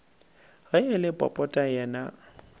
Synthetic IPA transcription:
ɣɛɪlɪpʼɔ̰pʼɔtʼajɛːna

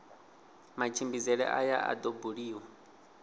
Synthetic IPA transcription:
mat͡ʃʰimbizɛɺɛ̰ʔajaʔa̰d̪ɔbuɺiːwa

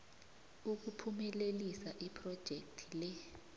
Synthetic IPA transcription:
uk̬upʰumɛlelisaʔipʰrɔd̥ʒ̥ʱek̚tʰi̥lɛ

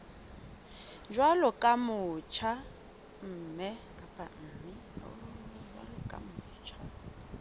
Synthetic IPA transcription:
d͡ʒwalɔkʼamʊt͡ʃʰa | m̩ːmɛkʼapʼam̩ːmɪ | ɔ̰d͡ʒwa̰lɔkʼa̰mʊːt͡ʃʰa

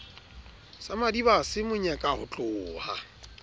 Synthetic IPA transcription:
samadibasɪmʊɲɛkʼahʊt͡ɬʼʊːha

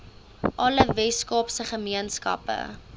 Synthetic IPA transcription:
ʔɐləvɛskɑːpsəχəmiənskɐ̰pə̰

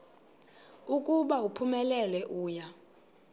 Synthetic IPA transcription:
ukʼuɓaupʰumɛlɛlɛʔuːja

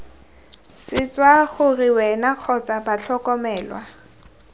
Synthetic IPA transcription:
sɪt͡swaχʊriwɛnaq͡χʰɔt͡sabat͡ɬʰɔkɔmɛːlwa

